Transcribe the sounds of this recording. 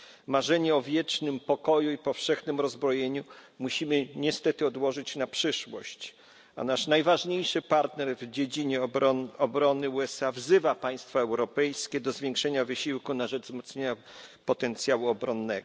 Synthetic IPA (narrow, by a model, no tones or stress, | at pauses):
maʐɛɲɛɔvʲjɛt͡ʂnɘmpɔkɔjuipɔfʂɛxnɘmɾɔzbɾɔjeɲumuɕimɘɲɛst̪ɛt̪ɘɔd̪wɔʐɘt͡ɕnapʂɘʂwɔ̰ɕt͡ɕ | a̰naʂnajvaʐɲejʂɘpaɾt̪nɛɾvd͡ʑed͡ʑiɲɛɔbɾɔnɘuɛsavzɘvapaj̃st̪faɛwɾɔpɛjskʲɛd̪ɔzvʲjeŋkʂɛɲavɘɕiwkunaʐɛd͡ʐzmɔt̪sɲeɲa | pɔt̪ɛnt̪sʲjawuɔbɾɔnːɛɡ